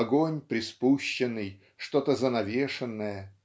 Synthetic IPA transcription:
ɐɡo̞nʲpɾʲɪspuɕːɪnːɨj | ʂt̪o̞t̪əzənɐvʲeʂɨnːəjə

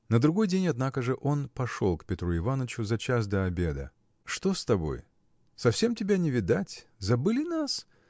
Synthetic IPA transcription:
nəd̪ɾʊɡo̞jdʲenʲɐd̪nakəʐɨʔo̞npɐʂo̞̰lˠkpʲɪt̪ɾuɪvanət͡ɕʊzɐt͡ɕas̬d̪əɐbʲe̞d̪ə̰ | ʂt̪o̞st̪ɐbo̞̰j | sɐfsʲemtʲɪbʲanʲɪvʲɪd̪atʲzɐbɨlʲɪnas

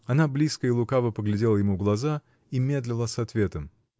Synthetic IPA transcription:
ɐnablʲiskəɪlˠʊkavəpəɡlʲɪdʲe̞lˠəjɪmuɡlˠɐza | imʲe̞d̪lʲɪlˠəsɐt̪vʲe̞t̪əm

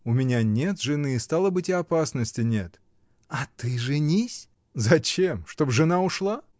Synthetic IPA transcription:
ʊmʲɪnʲanʲe̞t̪ʐɨnɨːst̪alˠəbɨtʲɪɐpasnəsʲtʲɪnʲe̞t̪ | ɐt̪ɨʐɨnʲisʲ | zɐt͡ɕemʂt̪o̞bʐɨnaʊʂlˠa

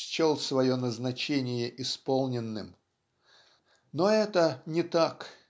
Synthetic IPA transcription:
t͡ɕolˠsvɐjonəznɐt͡ɕenʲɪjəʔɪspolˠnʲɪnːɨ̰m | noɛt̪ənʲɪt̪ak

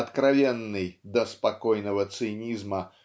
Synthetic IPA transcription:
ɐt̪kɾavʲɛnːɨjd̪ɐspakɔjnɐvɐt̪sɨnʲizmɐ

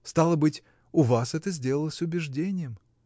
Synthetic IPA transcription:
st̪alˠəbɨtʲ | ʊvasɛt̪əzʲdʲe̞lˠəlˠəsʲʊbʲɪʐdʲenʲɪjəm

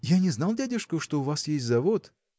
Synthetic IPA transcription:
janʲɪznɑlˠdʲædʲɪʂkʊʂt̪oʊvasjesʲtʲzɐvot̪

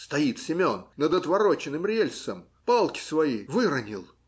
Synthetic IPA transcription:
st̪ɐit̪sʲɪmʲo̞nnəd̪ət̪vɐɾot͡ɕɪnɨmɾʲelʲsəm | palˠkʲɪ̥svɐivɨɾənʲɪlˠ

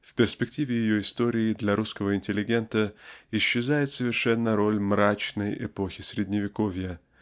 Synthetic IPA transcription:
fpʲɪrspʲɪktʲivʲɪjɪjoɪst̪o̞ɾʲɪːd̪lʲɐɾʔuskəvəɪnʲtʲɪlʲɪɡʲe̞nt̪əɪɕːɪzajɪt̪səvʲɪrʂɛnːəɾo̞lʲmɾat͡ɕnəjʔɪ̰po̞xʲɪsɾʲɪdʲnʲɪvʲɪkovʲjə

